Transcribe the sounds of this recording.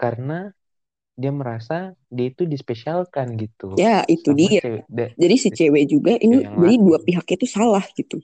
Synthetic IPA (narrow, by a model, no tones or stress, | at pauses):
kaɾəna | diaməɾasa | diait̪udispesialkanɡit̪ujaʔit̪udiad͡ʒadisət͡ʃɛwɛd͡ʒuɡaʔinibadiduapiɦak̚ɲait̪usalahɡit̪u